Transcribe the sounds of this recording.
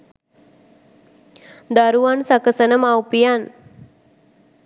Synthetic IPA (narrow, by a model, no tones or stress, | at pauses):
d̪aɾuʋansakəsənəmawpijan